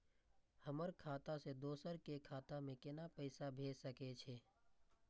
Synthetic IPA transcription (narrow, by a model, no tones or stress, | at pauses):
həməɾkʰaːt̪ased̪oːsəɾkekʰaːt̪amẽkɪnapəɪsabʱeːd͡ʒsəket͡ʃʰeː